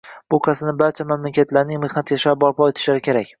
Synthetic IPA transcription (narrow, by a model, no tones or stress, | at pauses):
b̥ʊqʰasɪnɪbaɾt͡ʃʰamamlakʲat̪laɾnɪŋme̞hnat̪jaʃabɒɾpʰɒet̪ʰɪ̥ʃlaɾɪkʲʰe̞ɾakʲ